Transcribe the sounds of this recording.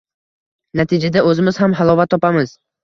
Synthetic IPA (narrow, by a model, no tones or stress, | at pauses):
nat̪ʰɪd͡ʒad̪aɵzɪmɪz̥ɦamɦalˠɒvat̪ʰːɒpamɪz̥